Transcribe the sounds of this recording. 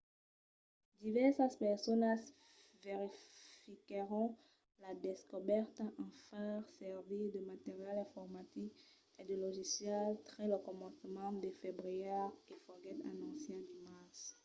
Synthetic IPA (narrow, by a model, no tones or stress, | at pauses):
d̪ivɛʁsəspɛʁsɔns | veʁifikʁɔ̃ | lad̪eskɔbɛʁt̪ɑ̃faʁsɛʁvid̪əmat̪eʁjɛlɛ̃fɔʁmat̪ik | ed̪əlɔʒisjɛlt̪ʁɛləkɔmɑ̃smɑ̃d̪efebʁijɛʁefɔɡɛt̪a̰nɑ̃sjɛ̃d̪imaʁs